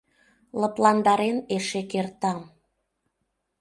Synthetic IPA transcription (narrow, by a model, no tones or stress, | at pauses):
lɤ̆plɑnd̪ɑɾeneʃekert̪ɑm